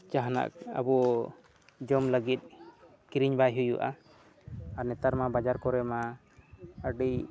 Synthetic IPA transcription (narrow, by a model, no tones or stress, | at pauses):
d͡ʒaɦana̰ʔka̰bɔ | d͡ʒɔmləɡit̪̚ | kiɾiɲbajɦujuʔa̰ | aɾnɛt̪aɾmabad͡ʒaɾkɔɾɛma | əɖi